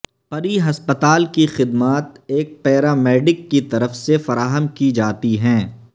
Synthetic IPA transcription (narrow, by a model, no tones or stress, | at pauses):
pɐɾiɦɐspət̪aːlkixɪd̪maːt̪eːk̚pɛːɾaːmɛːɖɪkːit̪ɐɾəfsefɐɾaːɦəmkid͡ʒaːt̪iɦɛ̃ː